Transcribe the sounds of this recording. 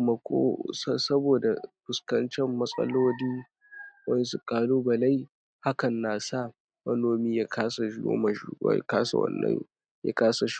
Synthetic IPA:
mɐ˨kʷo̰ː˦ssɐ˦boː˨da˨bʊ˨skɐ˦nt͡ʃɛ˦mːɐ˦sʼɐ̰˦loː˦diː˦ | wɐ˦nsu˨kʼaː˦loː˦bɐ˨la˦j | ha˦kɐ˨nːaː˨sa˦˨ | mɐ˦noː˨miː˦ja˦kʰaː˦sa˨˦o̰˦mɐ̰˨˦˨kaː˦sa̰˨wɐ̰˨nːɐ̰˦ŋ | ja̰˦kaː˦sa˨ʃ

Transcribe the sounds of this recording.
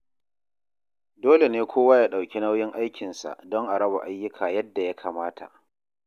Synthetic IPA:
doː˦le˨neː˦kʷʰoː˦waː˦jaː˦ɗa˨wkʲi˦na˦wjɪ˦ŋʔa˦jkʲɪ˨nsa̰˨ʔdɔ˦ŋʔa˨ɽɐ˦ba̰˨ʔa˦jːʊ˦kʰaː˨jɐ˦dːa˨ja˦kʰaː˨maː˦tʰa̰˨ʔ

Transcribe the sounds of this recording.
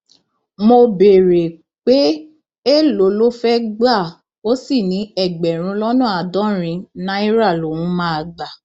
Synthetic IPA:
mo˧be˨ɾe˨ | k͡pe˦ | e˦lo˨˦lo˦fɛ˦ɡ͡ba˦˨ | o˦si˦˨nĩ˨˦ɛ˦˨ɡ͡bɛ˨ɾ̃ũ˨˦lɔ˦nũ˦a˨dɔ̃˨˦ɾ̃ĩ˧˦nã˦i˦ɾa˦˨lo˨wũ˦mãː˦a˧ɡ͡ba˨

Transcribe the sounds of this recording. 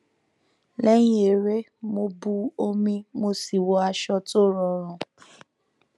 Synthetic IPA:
lɛ˦j̃ĩ˦e˨ɾe˦ | mo˧bu˧o˧mĩ˧mo˧si˨wɔ˧a˧ʃɔ˧to˦ɾɔ˨ɾ̃ɔ̃˨

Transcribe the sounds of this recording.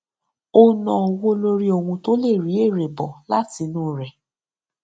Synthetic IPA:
o˦nɔ̃˨wo˦lo˧ɾi˦o˨ŋũ˧to˦le˦˨ɾi˨˦e˦˨ɾe˨bɔ˨la˦ti˧nũ˦ɾɛ˨

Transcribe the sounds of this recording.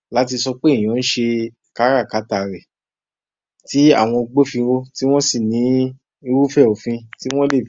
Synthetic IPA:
la˦t̬i˧sɔ˧k͡pe˦˨j̃ɔ̃˨˧ñ̩˦ʃe˧ | ka˨˦ɾa˦˨ka˨˦ta˨ɾɛ˨ | ti˨˦a̰˦˨w̃ɔ̃˧ɡ͡bo˦fĩ˧wo˦ti˦w̃ɔ̃˦si˦˨nĩ˨˦ | i˧ɾu˦fɛ˦˨o˨fĩ˧ti˦w̃ɔ̃˦le˦˨

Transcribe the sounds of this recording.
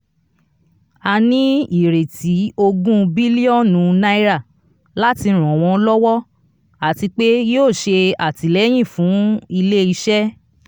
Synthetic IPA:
a˧nĩ˨˦i˦˨ɾe˨tʰi˨˦o˧ɡũ˦bi˦li˦ɔ˦˨nũ˨˧nã˦i˦ɾa˦˨ | la˦ti˧ɾ̃ɔ̃˨w̃ɔ̃˧˦lɔ˦wɔ˦ | a˨ti˧k͡pe˦joː˦˨ʃe˧a˨ti˨˦lɛ˦j̃ĩ˦˨fũ˨˦i˧le˦i˧ʃɛ˦

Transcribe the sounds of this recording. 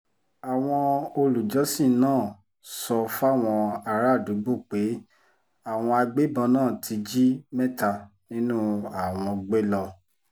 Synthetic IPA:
a˨w̃ɔ̃˧o˧lu˨d͡ʒɔ˨˦sĩ˦˨nãː˦˨ | sɔ˧fa˦˨w̃ɔ̃˧a˧ɾa˦˨du˨˦ɡ͡bo˦˨k͡pe˨˦ | a˦˨w̃ɔ̃˧a˧ɡ͡be˦bɔ̃˧nãː˦˨tʰi˧d͡ʒi˦mɛ̃˦ta˧ | nĩ˦nũ˦a˦˨w̃ɔ̃˧ɡ͡be˦lɔ˧

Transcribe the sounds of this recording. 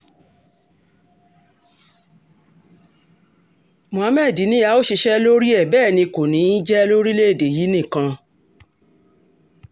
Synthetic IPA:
mõ˨ã˨˧mɛ˦˨di˨˦nĩ˦ja˧˦o˦ʃi˧ʃɛ˦lo˦ɾi˦ɛ˦˨bɛː˦˨nĩ˧ko˨nĩ˨˦d͡ʒɛ˦lo˦ɾi˦le˦e˦˨de˨ji˨˦nĩ˦˨kã˧

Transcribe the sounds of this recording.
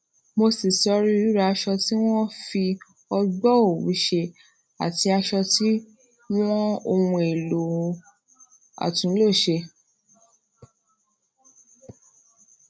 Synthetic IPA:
mo˧si˨sɔ˧ɾi˦u˨˦ɾa˨˧ʃɔ˧ti˦w̃ɔ̃˦fi˧ | ɔ˧ɡ͡bɔ˦o˦˨wṵ˨˦ʃe˧ | a˨ti˧a˧ʃɔ˧ti˦ | w̃ɔ̃˦o˧wũ˧e˨lo˨ | a̰˨tũ˨˦lo˦˨ʃe˧

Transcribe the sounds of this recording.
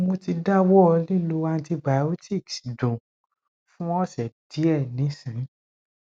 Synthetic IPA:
mo˧ti˧da˦wɔ˦ɔ˧li˦lo˨˧a˧˦ti˧ba˨˦o˦ti˦˨ksdũ˨ | fũ˦ɔ˦˨ʃɛ˨d̥i˨˦ɛ˦˨nĩ˨˦sĩ˨˦

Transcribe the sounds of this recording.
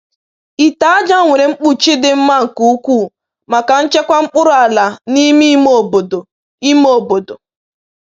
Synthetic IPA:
i˨ta˨a˦d͡ʒa˦˨ŋʷe˨ɾe˨ŋ͡m̩˦k͡pu˦t͡ʃi˦dɪ˦m̩˦ma˦ŋ̩˨ku˨˦kʷu˦˨ | ma˨ka˨n̩˦t͡ʃe˦kʷa˦ŋ͡m̩˦k͡pʊ˦ɾʊ˨a˨la˨ni˦mi˦mo˦˨bo˨do˨ | i˦mo˨bo˨do˨

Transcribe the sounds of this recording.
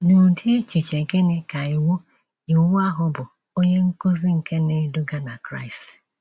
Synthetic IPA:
nu˨di˦e˦t͡ʃi˨t͡ʃe˨ɡe˦ne˦ka˨i˨wo˦ | i˨wwa˦ɦʊ˦bʊ˨ | o˦ɲe˦ŋ̩˦ko˦zi˦ŋ̩˨ke˦ne˨˦dʊ˦ɡa˦na˨kɾa̰˦ɪ˨st

